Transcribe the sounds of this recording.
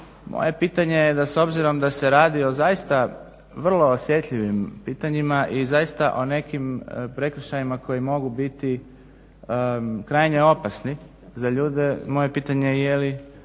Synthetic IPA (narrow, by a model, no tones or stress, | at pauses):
mo̰je̞piːt̪aɲe̞jed̪aso̞bziɾo̞md̪ase̞ɾaːd̪io̞zajist̪a | ʋr̩lˠo̞ːsje̞t̪ʎiʋimpiːt̪aɲimaʔizajist̪aʔo̞ne̞kimpɾe̞kɾ̩ʃajimako̞jimo̞ɡubit̪i | kɾajɲe̞o̞pasni | zaʎuːd̪emo̞je̞piːt̪aɲejeli